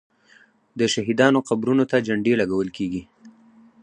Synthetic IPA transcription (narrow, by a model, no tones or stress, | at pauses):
d̪əʃaɦid̪ɑnoqabɾunot̪ad͡ʒaɳɖelaɡawəlkeɡi